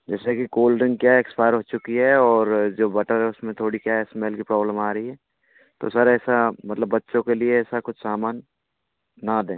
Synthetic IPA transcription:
d͡ʒɛːsekikoːlɾɪ̃ŋɡkjaekspaːjəɾɦoːt͡ʃʊkiɦɛɔːɾd͡ʒoːbɐʈəɾɦɛʊsmẽt̪ʰoːɽikjaesmeːlkipɾɔːbləmaːɾɐɦiɦɛː | t̪o̰sɐɾɛːsamɐt̪ləbːɐtːʃõkelieɛːsakʊt͡ʃʰsaːmaːnː | ad̪ẽː

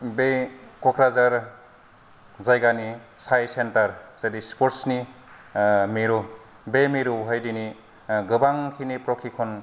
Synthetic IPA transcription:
bekɔkɾazaɾ | zajɡanisajsentɐɾz̥adispoɾtsni | miɾu | bemiɾuɦajdini | ɡɯbaŋkʰinipɾokʰikʰɔn

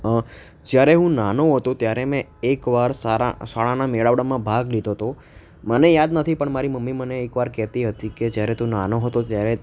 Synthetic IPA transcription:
ə | d͡ʒjaɾeɦũnanoɦət̪ot̪jaɾemɛ̃ekʋaɾsaɾa̰saɭanameɭaʋɽamãbʱaɡlid̪ʱot̪o | mənejad̪nət̪ʰipəɳmaɾiməmːiməneːkʋaɾkɛɦt̪iɦət̪iked͡ʒjaɾɛt̪ũnanoɦət̪ot̪jaɾɛ

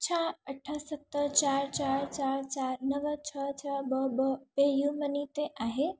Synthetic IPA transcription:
t͡ʃʰãəʈʰːəsət̪ːəɾt͡ʃaɾt͡ʃaɾt͡ʃaɾt͡ʃaːɾnəʋət͡ʃʰət͡ʃʰəbəbəpejumənit̪eʔaːɦe

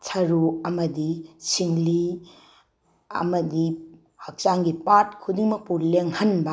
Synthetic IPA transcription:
tʰɐɾuɐmɐdisʰiŋli | ɐ̰mɐdi | hɐk̚t͡ʃaŋɡipatkʰudiŋmɐk̚puɾleŋhɐnbɐ

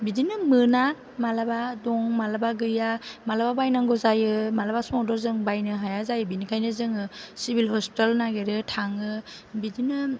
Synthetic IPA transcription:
bidinɯmɯna | malabadɔŋmalabaɡɯjamalababajnaŋɡɔzajɯmalabasmɔdɔzɯŋbajnɯɦajazajɯbinikʰajnɯzɯŋɯsibilɦɔspi̥talnaɡeɾɯtʰaŋɯbidinɯ

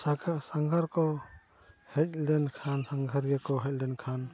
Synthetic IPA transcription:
ɡsaŋɡʱaɾkɔ | hɛc̚ˀlɛnkʰansaŋɡʱaɾjakɔɦɛc̚ˀlɛnkʰan

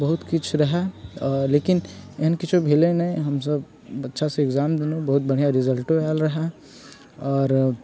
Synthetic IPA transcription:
bɐɦʊt̪kʊt͡ʃʰɾɐɦaleːkɪneɦənkɪt͡ʃobʱeːlẽnɐĩɦɐmsəb | ɐtːʃʰaseːɡzaːmd̪enobɐɦʊt̪̚bɐɽijaɾɪzəlʈoɛːlɾɐɦa | ɔːɾ

